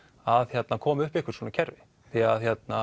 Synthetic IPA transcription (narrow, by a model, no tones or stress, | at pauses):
aðçjɛt̪nakʰɔːmʏhpehkʏɾ̥sɔːnacʰɛɾvɪ | θiaðçjɛt̪na